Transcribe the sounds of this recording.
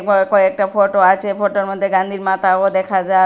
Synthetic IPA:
kokoek̚ʈafoʈoat͡ʃʰefoʈoɾmod̪ʱːeɡand̪ʱiɾmat̪aod̪ɛkʰad͡ʒa

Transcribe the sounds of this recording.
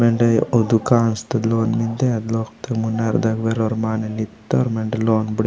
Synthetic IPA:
meɳɖɐjod̪ukaːnst̪ɐd̪loːnmind̪eɐd̪loːkt̪ɐɡmunːaɾd̪ɐɡʋeɾoɾmaːnelit̪ːoɾmeɳɖeloːnbɽ

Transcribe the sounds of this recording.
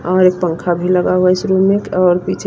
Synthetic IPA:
ɔːɾeːk̚pə̃ŋkʰabʱiləɡaɦuɛsʰɾumekɔːɾpit͡ʃʰ

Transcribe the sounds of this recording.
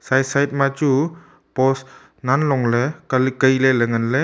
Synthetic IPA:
sajsajt̚mat͡ʃu | pɔs | nanlɔŋlekalikəjleleŋənle

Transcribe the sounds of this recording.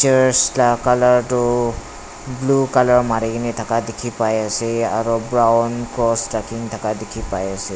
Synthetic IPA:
t͡ʃɛɹstakalaɹtʊ | blukalɔɹmaɹikinitʰakadekʰipajasɛa̰ɹubɹawnkɹɔstɹakiŋtʰakadekʰipajasɛ

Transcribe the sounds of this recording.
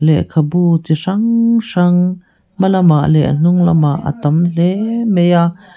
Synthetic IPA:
lɛkʰɐbut͡siʂɐŋʂɐŋ | mɐlɐmaʔlɛʔə̰n̥uŋlɐ̰maʔa̰t̪ɐmlɛmɛjaʔ

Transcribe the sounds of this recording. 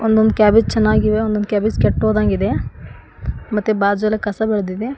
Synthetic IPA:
ond̪ond̪ukʲaːbid͡ʒt͡ʃɛnːaːɡiʋeond̪ond̪ukʲaːbid͡ʒkʲɛʈːɦoːd̪aːɡid̪e̞ | mɐt̪ːebaːd͡ʒɐlɐkɐsɐbɛɭd̪id̪e̞

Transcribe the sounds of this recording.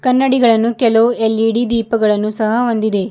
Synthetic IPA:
kɐnːɐɽiɡɐɭɐnːukɛloelːiɽid̪iːpɐɡɐɭɐnːusɐɦɐond̪id̪e̞

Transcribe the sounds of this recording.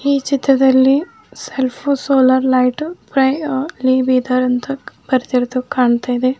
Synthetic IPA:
iːt͡ʃit̪ɾɐd̪ɐlːi | selpʰusoːlɐɾlɐjʈpɾɐjliːbiːd̪ɐɾɐnt̪ɐb̥ɐɾt̪iɾod̪ukaːɳt̪aːjid̪e

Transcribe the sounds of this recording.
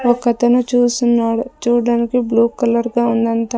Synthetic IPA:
ɔkːɐt̪ɐnut͡ʃuːsunːaːɽut͡ʃuːɽaːnikibluːkɐlɐɾɡaːund̪ɐnt̪ɐ

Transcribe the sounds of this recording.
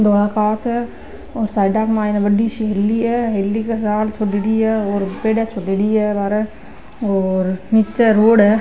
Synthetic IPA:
d̪ʱoːɽakaːt̪ɦɛ | ɔːɾsaːɪɖaːkmaːjnabəɖiʃiɦelːiɦɛɦelːikasaːlt͡ʃʰoɖiɽiɦɛɔːɾpeːɖɛt͡ʃʰoɖeɽiɛbaːɾɛ | ɔːɾnit͡ʃeɾoːɽɦɛ

